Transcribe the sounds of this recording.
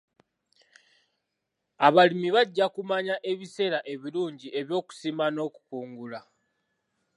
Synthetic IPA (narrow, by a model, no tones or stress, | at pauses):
aβalimiβaɟːakumaɲaʔe̞βise̞ːɾaʔe̞βiluːɲɟiʔe̞βjo̞ːku̥simano̞ku̥kuːŋɡula